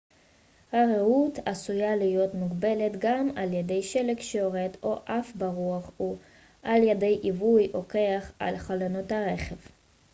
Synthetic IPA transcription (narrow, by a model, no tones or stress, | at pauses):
haʁeut̪asujalijo̞t̪muɡbe̞let̪ɡamaljed̪e̞jʃelekʃejoʁed̪oʔafbaʁuaχu | ʔaljed̪e̞jʔivujhoke̞aχa̰lχalonothaʁeχev